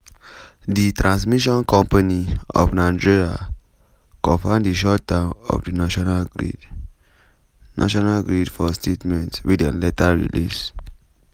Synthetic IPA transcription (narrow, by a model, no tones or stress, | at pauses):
ditɹãns̬miʃɔ̃nkɔ̃mpaniɔ̰fnãd͡ʒiɹa̰ | kɔ̃fãndiʃɔt̚dãʊnɔ̰fdinaʃɔnalɡɹḭd | nʔa̰ʃɔnalɡɹidfɔstʰetmɛ̃ntwidã̰nletaɹḭlḭs